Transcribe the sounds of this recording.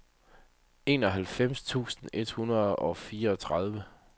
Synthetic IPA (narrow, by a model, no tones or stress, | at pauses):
e̝ːnɒ̽ɦælfem̰st͡sʰṵːsn̩e̝d̥hunɐðˠɒ̽fiːɐɒ̽t͡sʰʁað̞ˠʋə